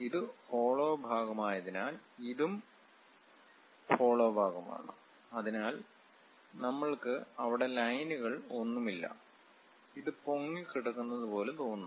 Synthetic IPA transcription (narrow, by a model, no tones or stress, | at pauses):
iðɨfo̞ːɭoːbʱaːɣɐmaːjɐðinaːliðum | fo̞ːɭo̞ːbʱaːɡɐma̰ːɳṵ | ɐðinaːl | nɐmːɐɭkɨɐʋiɽe̞lɐjnuɣɐɭo̞nːumilːɐ̰ | iðɨpo̞ŋːikiɽɐkːunːɐðupo̞ːlut̪oːunːɐ